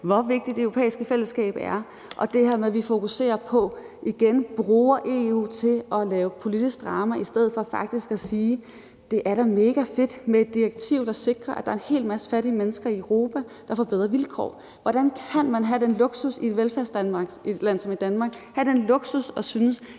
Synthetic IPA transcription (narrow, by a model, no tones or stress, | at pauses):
ʋɒʋe̝ɡ̥d̥id̥d̥eøʊʁo̝pʰḛːisɡ̥əfel̰əsɡ̥ɛ̰ːb̥æɐ | ʔɒ̽d̥e̝he̝ɐ̰meðˠʋifo̝kuse̝̰ːɐpʰɒ̽ | ʔiɡ̥enb̥ʁuːɐʔe̝ṵːt͡sʰe̝lɒ̽lɛːʊpʰo̝lid̥isɡ̥̚d̥ʁɑ̈ːmæʔisd̥eð̞̰ˠfɒ̽fɑ̈ɡ̥̚d̥isɡ̥æsiː | d̥e̝ʔæɐɾɑ̈me̝ːɡ̥æfe̝d̥meed̥ːiʁeɡ̥̚t͡sʰiʊ̰d̥ɑ̈se̝ɡ̥ʁɐʔæd̥ɑ̈ɐe̝nhe̝̰ːlmæsə̥fæɾiəmenəsɡ̥ɐiəʊʁo̝̰ːpʰæ | d̥ɑ̈fɒb̥eð̞̰ˠʁɐʋilkʰɒ̰ː | ʋɒɾ̥ænkʰænmænɦæd̥enloɡ̥susied̥ʋelfæɐsd̥ænmɑɡ̥id̥læn̰sɒ̽mid̥ænmɑ̈ːɡ̥hæd̥enlo̝ɡ̥susɒ̽synəs